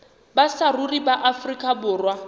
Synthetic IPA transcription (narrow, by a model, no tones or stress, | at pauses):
basaruribaʔafrikʼabʊːrwa